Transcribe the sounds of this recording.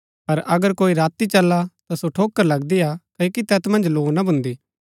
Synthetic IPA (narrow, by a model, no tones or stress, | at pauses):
pɐɾʔɐɡəɾkoːiɾaːt̪it͡ʃɐlːat̪asoʈʰoːkːəɾlɐɡd̪iakɐikit̪ɛːt̪mɐ̃nd͡ʒloːnabʱʊ̃nd̪iː